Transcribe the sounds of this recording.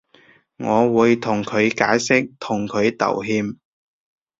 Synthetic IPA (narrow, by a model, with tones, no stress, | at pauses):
ŋɔː˨˧wuː˨˧jt̪ʰʊ˨˩ŋkʰɵ˨˧ɥkaː˨˥jsɪ˥k̚t̪ʰʊ˨˩ŋkʰɵ˨˧ɥt̪ɐ̰˨˩wɦiː˧m